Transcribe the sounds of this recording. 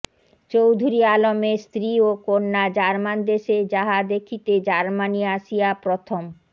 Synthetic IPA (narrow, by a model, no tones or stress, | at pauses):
t͡ɕowd̪ʱuɾialomest̪ɾiokonːad͡ʑaɾmand̪eʃed͡ʑaɦad̪ekʰit̪ed͡ʑaɾmaniaʃiapɾot̪ʰom